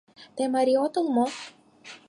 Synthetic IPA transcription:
t̪emaɾiot̪olmo

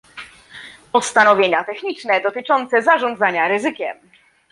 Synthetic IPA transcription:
pɔst̪anɔvʲjeɲat̪ɛxɲit͡ʂnɛd̪ɔt̪ɘt͡ʂɔnt̪sɛzaʐɔ̃nd̪zaɲaɾɘzɘkʲɛ̰m

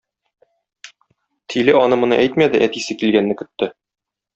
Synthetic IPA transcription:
t̪ʰilɘɒnɤmŏnɤ̰ʔæjt̪mæd̪ɘʔæt̪isɘkilɡænːɘkɵ̆t̪ːɘ

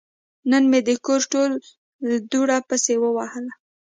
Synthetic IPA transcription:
nənmed̪əkoɾʈol | d̪uɽapəsewəwahəla

